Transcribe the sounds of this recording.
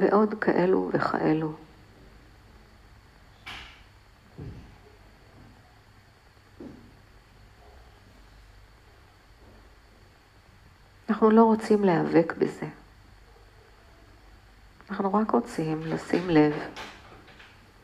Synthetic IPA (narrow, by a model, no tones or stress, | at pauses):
vḛʔo̞dkʰaʔelṵveχa̰ʔe̞lu | anaχnulo̞ʁot͡simleave̞kbeze̞ | anaχnuʁakʁo̞t͡simlasimle̞v